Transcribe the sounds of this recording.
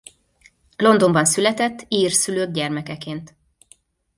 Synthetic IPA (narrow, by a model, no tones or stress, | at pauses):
lo̞nd̪o̞mbɒnsylɛt̪ɛt̪ːiːrsyløːɡ̚ɟɛrmɛkɛkeːnt̪